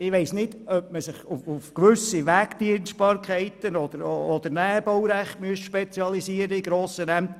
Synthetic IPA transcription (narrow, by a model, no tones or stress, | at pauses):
ɪʋeɪsnɪd̥œp̚məsɪχuufkʋʏsiʋæːkt̪iənsʃt̚pɑːɾkʰɛɪt̪ənɔd̪əɾɔd̪əɾnæːb̥owɾæχtmyəsʃpet͡sjɑlisiəɾəiɡɾoːsəɾæmt